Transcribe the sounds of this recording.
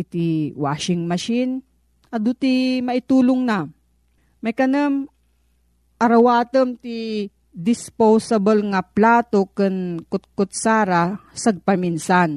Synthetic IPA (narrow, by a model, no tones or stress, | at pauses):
ɪt̪iwaːʃɪŋmɐʃin | ɐd̪ut̪imɐʔɪt̪uːlʊŋna | mɐjkɐnɐm | ʔɐɾɐwaːt̪ɐmt̪i | d̪ɪspowsɐbɐlŋɐplaːt̪okɨnkʊt̪̚kʊt̪̚saːɾasɐɡ̚pɐminsan